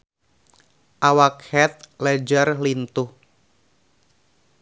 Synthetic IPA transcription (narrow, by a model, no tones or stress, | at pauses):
ʔawakhɛt̪̚lɛd͡ʒarlint̪uh